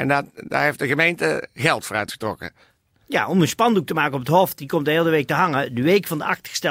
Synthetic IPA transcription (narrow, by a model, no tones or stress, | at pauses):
ɛndtda̰ːɹɦefdəɣəmejntə̰ɣɛlˠtfoːɾœɥtχə̥trɔ̰kə̰ | ja̰ʔɔmənspɑnduk̚təmaːkənɔpətɦɔftdikɔmtəɦeːlˠdəʋejk̚təɦɑŋədəʋejkfɑndəʔɑxtə̥stɛ